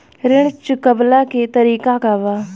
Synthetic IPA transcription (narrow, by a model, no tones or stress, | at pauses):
ɾɪɳt͡ʃkəblaːket̪əɾiːkaːkaːʋaː